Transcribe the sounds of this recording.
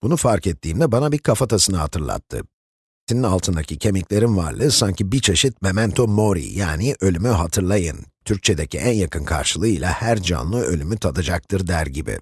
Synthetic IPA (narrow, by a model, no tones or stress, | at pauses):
b̥unufaɾkɛt̪ʰːiːmd̪ɛbanabiɾkʰafat̪ʰasɯnɯhat̪ʰɯɾlˠa̰t̪ʰːɯ̰ | seninalˠt̪ʰɯnd̪acʰicʰe̞mɛclʲe̞ɾinva̰ɾlˠɯsaɲcʰibit͡ʃʰe̞ʃit̪̚me̞mænt̪ʰo̞mo̞ɾḭjaːniʔø̞lʲymyɦat̪ʰɯɾlˠajɯnt̪ʰyɾc̚t͡ʃʰe̞d̪e̞cʰiʔænjakʰɯnkʰa̰ɾʃɯlˠɯjlˠahæɾd͡ʒa̰nlˠɯø̞lʲymyt̪ʰat̪ʰad͡ʒak̚t̪ʰɯɾd̪æɾɟibɪ̰